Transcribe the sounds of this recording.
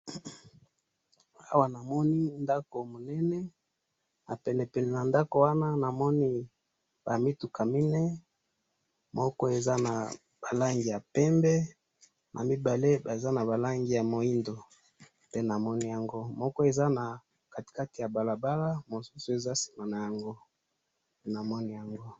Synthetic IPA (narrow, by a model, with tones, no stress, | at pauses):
a˦wa˨na˨mɔ˦ni˦nda˦ko˨mo˨nɛ˦nɛ˦ | na˨pɛ˨nɛ˨pɛ˨nɛ˨na˨nda˦ko˨wa˦na˦na˨mɔ˦ni˦ | b̥a˨mi˦tu˨ka˨mi˦nɛ˦ | mɔ˦kɔ˦e˨za˦na˨ | b̥a˨la˦ŋɡi˨ja˨pɛ˦mbɛ˦ | nʔa̰˨mi˦ba˨le˦ba˨za˦na˨ba˨la˦ŋɡi˨ja˨mo˨i˦ndo˨ | pe˦na˨mɔ˦ni˦ja˨ŋɡo˦mɔ˦kɔ˦e˨za˦na˨ | ka˨ti̥˨ka˦ti˨ja˨ba˨la˨ba˦la˦mo˨su˦su˨e˨za˦si̥˨ma˨na˨ja˨ŋɡo˦ | pe˦na˨mɔ˦ni˦ja˨ŋɡo˦